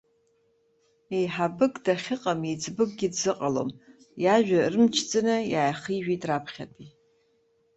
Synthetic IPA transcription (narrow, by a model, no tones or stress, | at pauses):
ejħabɨkʼdaχʲɪqʼamid͡zʼbɨk̚ʼɡʲɪdzɨqʼalo̰m | jaʒᶣarɨmt͡ʃʰt͡sʼɨnɨjajaχiʒᶣijtʼrapʰχʲa̰tʼi